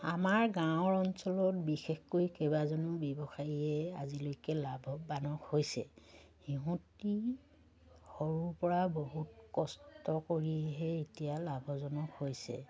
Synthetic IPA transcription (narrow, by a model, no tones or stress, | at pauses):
amaɹɡãʊ̃ɔɹɔnsɔlɔtbixexkojkebazɔnʊbɛbɔxajɛa̰zilojkɛlabʱɔbanɔkhojsɛ̰hiɦũti | xoɹupɔɹaboɦutkɔstɔkoɹiɛɦɛetijalabʱɔzɔnɔkhojsɛ̰